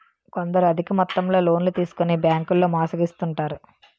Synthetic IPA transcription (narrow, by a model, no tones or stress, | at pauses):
kond̪ɐɾuɐd̪ʱikɐmɔt̪ːɐmlo̞ːlo̞ːnlut̪iːsu̥konibjaːŋkulːo̞ːmaːsɐɡist̪uɳʈaːɾu